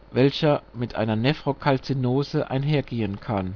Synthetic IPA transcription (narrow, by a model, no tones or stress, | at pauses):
vɛlçɐmɪtʔa̰ɪnɐnɛfʁ̥okʰalt͡sinoːzəʔa̰ɪnɦeːɐɡeːənkʰan